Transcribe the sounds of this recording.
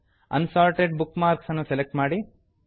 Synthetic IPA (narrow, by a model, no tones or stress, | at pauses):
ɐ̰nsaːɾʈeɖ̚bukmaːɾksɐnːuselek̚ʈmaːɽi